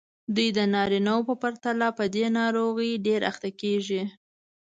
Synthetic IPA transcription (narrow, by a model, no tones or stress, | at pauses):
d̪ujd̪ənɑɾinawopəpaɾt̪alapəd̪enɑɾoɣəjɖeɾa̰xt̪akeʒi